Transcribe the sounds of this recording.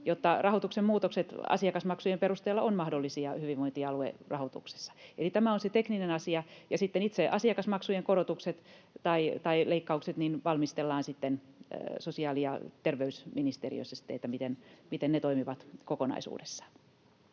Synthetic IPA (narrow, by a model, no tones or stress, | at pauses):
jot̪ːɑrɑhot̪uksemmuːt̪okset̪ɑ̰siɑkɑsmɑksujemperust̪eːlːɑonmɑhdolːisiɑhyʋiʋʋoint̪iɑluḛrɑhot̪ṵkse̥sːɑ̥elit̪æmæonset̪ekninenɑsiɑjɑsit̪ːenit̪seʔɑsiɑkɑsmɑksujeŋkorot̪ukset̪t̪ɑit̪ɑileikːɑukset̪ninʋɑlmist̪elːɑːnsit̪ːensosiɑːliɑ̰t̪erʋeysminist̪erḭø̰isːɑsi̥t̪ːeet̪ːæmit̪enmit̪ennet̪oimiʋɑt̪kokonɑ̰isṵːdesːɑ̥